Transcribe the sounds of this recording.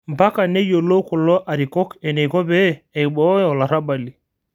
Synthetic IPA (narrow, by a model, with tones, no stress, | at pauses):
m̩˨ba˦ka˨nɛ˦jo˨lo˦kɔ˨lɔ˦ʔa˨ɾi˨kɔ˦kɛ˨nɛ˨kɔ˦bɛː˦˨i˨ɓɔ˦jɔ˨la˨ɾa˦ba˨li˨